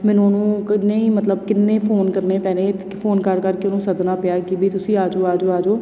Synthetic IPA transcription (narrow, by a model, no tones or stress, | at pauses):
mɪnõːnũːknːeĩːmət̪ləbkɪnːeːpʰoːnkəɾneːpɛːnẽː | pʰoːnkəɾkəɾkenõːsəd̪naːpɪjaːkibʱiːt̪ʊsĩːaːd͡ʒoːaːd͡ʒoːaːd͡ʒoː